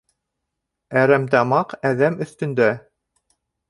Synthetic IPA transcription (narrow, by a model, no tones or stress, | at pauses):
æɾæmt̪ɑmɑqæðæmɵ̆θt̪ɵ̆nd̪æ